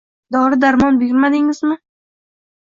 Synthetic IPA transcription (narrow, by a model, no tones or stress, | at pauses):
d̪ɒɾɪd̪aɾmɒnbʊɡʲɪɾmad̪ɪŋɪzmɪ